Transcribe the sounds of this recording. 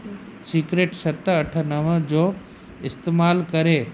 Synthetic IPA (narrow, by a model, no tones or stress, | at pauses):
siːkɾeːʈsɐt̪əʈʰənəʋə̃d͡ʑoː | ɪst̪eːmaːlkəɾeː